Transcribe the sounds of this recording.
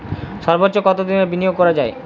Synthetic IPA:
ʃɔɾbotːɕokɔt̪od̪inebinijoɡ̚kɔɾad͡ʑae

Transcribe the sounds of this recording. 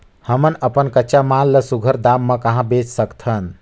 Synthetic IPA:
həmənəpənkəːt͡ʃamãlːəsuɡʱəɾd̪aːmːə̃kəɦãbeːt͡ʃsəkt̪ʰən

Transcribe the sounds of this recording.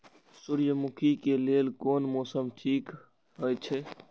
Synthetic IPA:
suɾjəmukʰikelelkoːnmoːsəmʈʰiːk | ɦəjt͡ʃʰe

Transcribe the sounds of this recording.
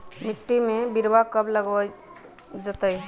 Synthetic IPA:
miʈːimebiɾʋakəbləɡə | d͡ʒət̪əj

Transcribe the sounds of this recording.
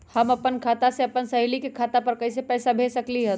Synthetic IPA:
həməpənkʰaːt̪aseɐpənsəɦilikekʰaːt̪apəɾkəisepɛːsabʱesəkliɦət̪

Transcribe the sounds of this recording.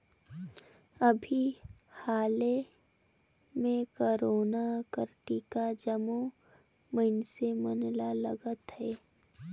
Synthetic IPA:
əbʱihaːle | mẽkoɾoːnakəɾʈikad͡ʒəmo | məɪnsemənlalə̰ɡət̪hɛː

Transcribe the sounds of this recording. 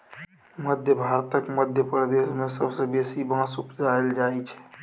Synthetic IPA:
məd̪ʱjəbʱaːɾt̪əkməd̪ʱjəpɾəd̪eːʃmẽsəbsebeːsibãːsʊpzaːld͡ʒaːit͡ʃʰɛ̥ː

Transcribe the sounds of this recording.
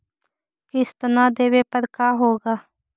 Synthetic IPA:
kɪst̪ɐnaːd̪eːʋeːpɐɾkaːɦoːɡaː

